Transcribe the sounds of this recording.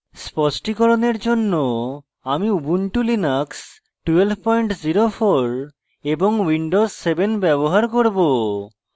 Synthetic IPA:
spɔsʈikɔɾoneɾd͡ʑonːo | amiubuɳʈulinaks | ʈuelbʱpɔjɳʈziɾofʰoɾ | eboŋwiɳɖozsebenbɛboɦaɾkoɾbo

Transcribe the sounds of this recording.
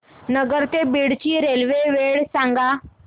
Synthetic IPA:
nəɡəɾt̪ebiɽt͡ɕiːɾelʋeʋeɭsãŋɡa

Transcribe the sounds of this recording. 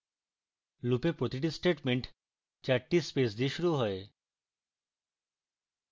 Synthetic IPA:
lupepɾot̪iʈ̬isʈeʈmeɳʈ | t͡ɕaɾʈispes̬d̪iʃuɾuɦɔe

